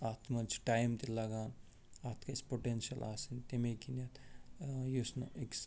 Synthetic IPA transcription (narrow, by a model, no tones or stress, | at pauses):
at̪ʰmɐt͡ʃʰiʈaːjmt̪elɐɡaːn | at̪ʰkɐspoʈenʃiɐla̰ːsint̪emekinɐt̪ | jusnoʔeks